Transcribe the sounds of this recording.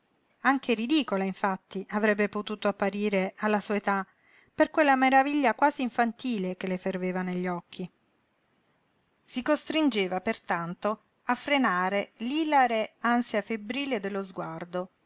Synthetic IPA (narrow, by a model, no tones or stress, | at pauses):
aŋkʰeɾid̪iːkolaiɱfat̪ːiʔavɾɛbːepot̪uːt̪oapːaɾiːɾealːasuaet̪a | perkwelːameɾaviʎːakwaːziːɱfant̪iːlekeleferveːvaneʎːɔkʰːi | sikost̪ɾind͡ʒeːvapert̪ant̪o | afːɾenaːɾeliːlaɾeansjafebɾiːled̪elːozɡward̪o